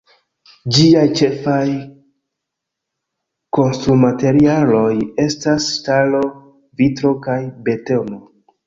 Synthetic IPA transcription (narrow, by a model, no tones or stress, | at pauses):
d͡ʒiajt͡ʃe̞faj | ko̞nstɾumate̞ɾialo̞je̞stasːtalo̞ | vitɾo̞kajbe̞to̞no̞